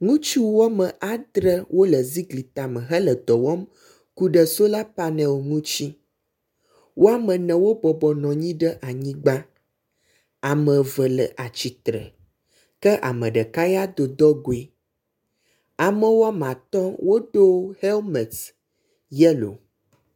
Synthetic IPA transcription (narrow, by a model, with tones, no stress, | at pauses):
ŋũ˦t͡ʃu˦wa˦mə̃˨ʔa˨d̪ɾə˦wʔo˦lə˨zi˦ɡli˨t̪a˨mə̃˨ɦə˦lə˨d̪ɔ˨wɔ˦m | ku˦ɖə˨so˦la˦pa˦nɛ̃˨wo˨ŋũ˦t͡ɕi˦ | wo˦a˦mə̃˨nɛ̃˨wo˦bɔ˨bɔ˨nɔ̃˨ɲĩ˦ɖə˦ʔa˨ɲĩ˦ɡ͡ba˦ | a˨mə̃˨və˨lə˨ʔa˨t͡ɕi˨t̪ɾə̰˨ | kə˦ʔa̰˨mə̃˨ɖə˨ka˦ja˦d̪o˨d̪ɔ˦ɡo˨e˦ | a˨mə̃˦wo˦a˦m˨ã˨t̪ɔ˦wo˦ɖo˦he˦lmɛ˨t̪ | jɛ˦lo̰˨